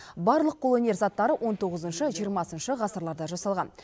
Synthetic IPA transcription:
bɑɾlˠəq̚ːʰolˠɵnʲe̞ɾzɑt̪ːɑɾəwʔo̞nt̪ʰo̞ʁəzənʃəʒijəɾmɑsənʃəʁɑsəɾlˠɑɾd̪ɑʒɑsɑlˠʁɑn

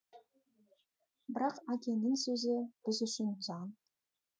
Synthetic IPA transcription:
bɪɾɑqakʲenɪnsɵzɘb̥ɪzʏʃɪnzɑn

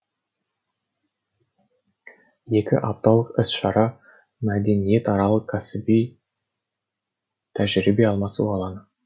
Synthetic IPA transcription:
je̞kʲɪ̰ʔɑp̚t̪ɑlˠəqɪsʃɑɾɑ | mæd̪e̞nije̞t̪ɑɾɑlˠəqkʲʰːæsɪbij | t̪ʰæʒɾibeɑlˠmɑsṵɑlˠɑnə

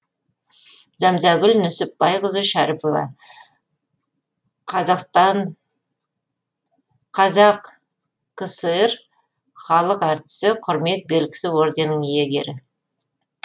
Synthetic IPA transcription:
zɑmzɑɡʲʏlnʏsɪp̚ːɑjʁəzəʃæɾɪpovɑ̰ | qʰɑzɑqst̪ɑɴ | qʰɑzɑq | kəsəɾ | χɑlˠəqɑɾt̪ə̥səqʰʊɾme̞t̪̚be̞lkʲɪ̥sɪwo̞ɾd̪e̞nəŋje̞ɡʲe̞̰ɾɪ

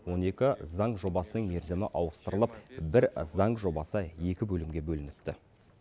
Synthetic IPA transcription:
wo̞ne̞kʲɪzɑɴʒo̞bɑsənəɴme̞ɾzemɪʔɑwəst̪əɾəlˠəpbɪɾzɑɴʒo̞bɑsəje̞kʲɪbɵlɪmɡʲe̞bɵlɪnɪp̚t̪ɪ

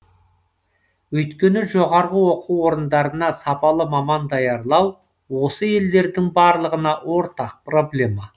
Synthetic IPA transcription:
wɵjt̪kʲe̞nɪʒo̞ʁɑɾʁəwo̞qʰuwo̞ɾənd̪ɑɾənɑsɑpɑlˠəmɑmɑnd̪ɑjɑɾlˠɑw | wo̞səje̞ld̪e̞ɾd̪ɪŋbɑɾlˠəʁənɑwo̞ɾt̪ɑq̚pro̞blʲe̞mɑ

